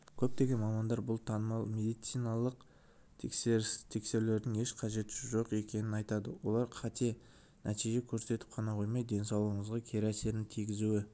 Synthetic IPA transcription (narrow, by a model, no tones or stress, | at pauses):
kʲʰɵp̚t̪e̞ɡʲe̞nmɑmɑnd̪ɑɾbʊlˠt̪ʰɑnəmɑlˠme̞d̪ijt̪sijnɑlˠəq̚ | t̪ʰkseɾt̪ʰe̞kse̞ɾle̞ɾd̪ɪŋe̞ʃqʰɑʒe̞t̪ɪ̥ʃɪʒo̞qe̞kʲe̞nɪnɑjt̪ɑd̪əwo̞̰lˠɑɾqʰɑt̪e̞ | nʔæt̪ijʒe̞kʲʰɵɾse̞t̪ɪ̥p̚qʰɑnɑqʰojmɑjd̪e̞nsɑwlˠəəɴəzʁɑkʲʰe̞ɾæse̞ɾɪnt̪ʰijɡʲɪzuɪ